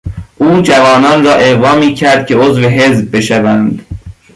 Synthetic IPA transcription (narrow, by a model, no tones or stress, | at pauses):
ʔuːd͡ʒævɒːnɒːnrɒːʔeɣvɒːmiːcʰæɾd̪̥̚kʲʰe̞ozveɦezb̚ːe̞ʃævænd̪̥